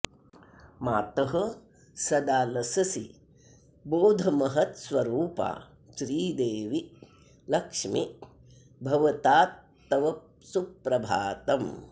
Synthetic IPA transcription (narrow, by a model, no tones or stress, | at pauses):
maːt̪ɐɦɐ | sɐd̪aːlɐsɐsi | boːd̪ʱɐmɐɦɐt̪sʋɐɾuːpa̰ː | ʃɾiːd̪eːʋi | lɐkʂmi | bʱɐʋɐt̪aːt̪ː | ɐʋɐ | supɾɐbʱaːt̪ɐm